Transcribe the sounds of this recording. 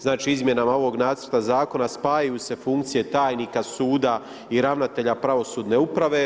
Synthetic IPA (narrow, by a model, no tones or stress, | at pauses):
znaːt͡ʃiizmje̞namao̞ʋo̞ɡnaːt̪sə̥ɾt̪azaːko̞naspaːjajuːse̞fuŋkt̪sije̞t̪aːjniːkasuːd̪a | iɾaʋnat̪e̞ʎapɾaʋo̞suːd̪ne̞upɾaʋe̞